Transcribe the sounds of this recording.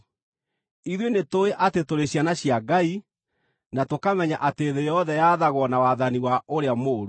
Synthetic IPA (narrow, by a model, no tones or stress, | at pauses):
iðwenetoeʔatetoɾeɕjanaɕjaɡai | natokamɛɲaʔateːðejɔðɛjaːðaɣwɔnawaðaniwaʔoɾeamoːɾo